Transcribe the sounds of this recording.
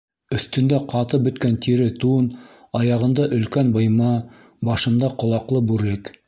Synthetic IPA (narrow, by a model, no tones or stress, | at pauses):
ɵ̆θt̪ɵ̆nd̪æqʰɑt̪ɤbɵ̆t̪kænt̪iɾɘt̪un | ɑjɑʁɤ̆nd̪ɑʔɵ̆lkænbɤ̆jmɑ | bɑʃɤ̆nd̪ɑqŏlˠɑqlˠɤbʉɾɘk